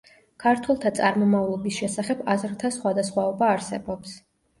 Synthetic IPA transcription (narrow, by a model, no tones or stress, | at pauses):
kʰaɾt̪ʰwɛlˠt̪ʰat̪sʼaɾmɔmavlˠɔbisʃɛsaχɛbazɾt̪ʰasχwad̪asχwaɔbaːɾsɛbɔps